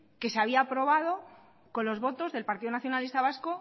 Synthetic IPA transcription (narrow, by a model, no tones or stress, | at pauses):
ke̞seaβ̞iapɾo̞βað̞o̞ | ko̞nlo̞zβo̞t̪o̞zðe̞lpaɾt̪iðonaθjonalist̪aβ̞asko